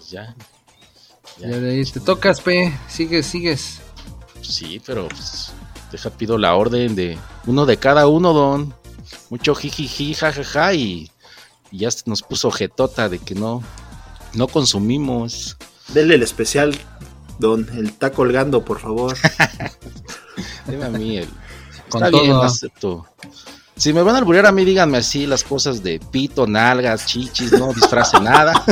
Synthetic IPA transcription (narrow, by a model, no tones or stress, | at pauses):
pezʝa | jaaðait̪et̪okaspesiɣesːiɣes | sḭpe̞ɾo̰pesd̪exapiðola̰o̞ɾðe̞nd̪euno̞ðe̞kaðaunoðonmut͡ʃoxixixixaxaxaiː | ʝasno̞spusoxe̞t̪ot̪aðe̞keno | nokonsumimos | d̪elelespesjald̪onelt̪akolɣand̪opoɾfaβoɾ | d̪emeamiḛlet̪aβjenasep̚t̪o | sime̞βanalβuɾaɾamiðiɣanmeasilasko̞sazðepit̪onalɣast͡ʃit͡ʃisnoðisfɾasenaða